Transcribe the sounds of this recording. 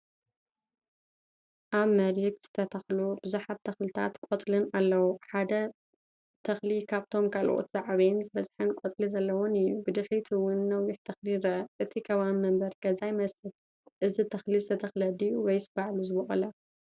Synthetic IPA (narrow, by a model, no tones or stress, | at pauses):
ʔaβmɐɾɛt̪z̥ɨ̥t̪ʰɐt̪ʰɐxlub̥ɨzuħaβ̚t̪ʰɐxlɨt̪ʰa̰t̪kʼɔt͡sʼlɨnalːɐwuħad̪ɐ | t̪ʰɐxlikʰaβt̪ʰo̞mkʰalʔo̰t̪z̥aʕβinzɨβɐzħɨnkʷʼɔt͡sʼlizɐlːɐwonɨjubɨd̪ɨħit̪ʰiwʊnːɐwjɪħt̪ʰɐxliɾɐʔɐʔɨt̪ʰikʰɐβammɐmbɐɾɡɐzajmɐsɨl | ʔɨzit̪ʰɐxlizɨt̪ʰɐt̪ʰɐxlɐd̪ijuwɔjsɨbaʕluzɨβɨχʼɐlɐ